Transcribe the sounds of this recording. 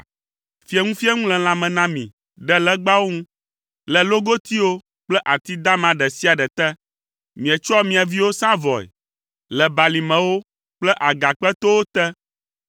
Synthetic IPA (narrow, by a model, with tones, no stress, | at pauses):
fi˦ɛ˦ŋũ˦fi˦ɛ˦ŋũ˦lɛ̃˨l̃ã˨mɛ̃˨nã˦mḭ̃˨ | ɖɛ˦lɛ˦ɡ͡ba˦wo˦ŋũ˦ | lɛ˨lo˦ɡo˦t̪i˦wo˦ | k͡plɛ˦ʔa˨t̪i˦d̪a˦mã˨˦ɖɛ˨si˦a˨ɖɛ˨t̪ɛ˦ | mĩ˨ɛ˨t͡ʃɔ˦mĩ˨a˨vi˦wo˦sã˦vɔ˨ɛ̰˨ | lɛ˨ba˨li˨mɛ̃˨wo˦ | k͡plɛ˦ʔa˨ɡa˨k͡pɛ˦t̪o˦wo˦t̪ɛ˦